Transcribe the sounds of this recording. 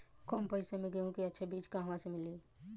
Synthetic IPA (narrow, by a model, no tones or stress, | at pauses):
kɔːmpəɪsamẽɡõkiɐtːʃʰebiːt͡ʃkaɦmãsemɪli